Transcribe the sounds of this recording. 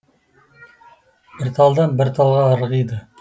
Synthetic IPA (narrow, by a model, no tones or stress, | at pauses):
b̥ɪɾt̪ʰɑlˠd̪ɑnbɪɾt̪ʰɑlˠʁɑːɾʁijd̪ə